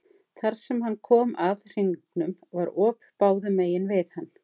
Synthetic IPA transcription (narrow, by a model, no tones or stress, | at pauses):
θaɾ̥sɛmɦanːkʰɔːmaðr̥iŋknʏmvaɾɔːppaːwðʏmeːjɪnvɪðhanː